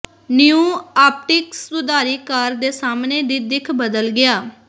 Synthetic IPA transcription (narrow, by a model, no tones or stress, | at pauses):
nɪũːaːp̚ʈɪksʊd̪aːɾiːkaːɾd̪eːsaːmneːd̪iːd̪ɪkʰbəd̪əlɡɪaː